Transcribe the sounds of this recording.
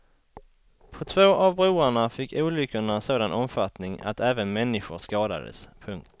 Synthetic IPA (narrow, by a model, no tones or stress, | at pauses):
pʰɔt̪ʰvoːʔavbɾuːaɳafɪkːuːlʏkːʊɳasoːd̪anʔɔmfat̪nɪŋa̰t̪ʰɛːvənmɛnːɪɧʊʂkɑːd̪a̰d̪ə̰spʰɵŋkt̪